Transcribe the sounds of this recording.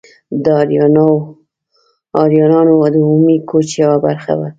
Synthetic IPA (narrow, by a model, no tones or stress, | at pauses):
d̪əɑɾnw | ɑɾjɑnɑnod̪əumikʰot͡ʃjawabaɾxa̰wa̰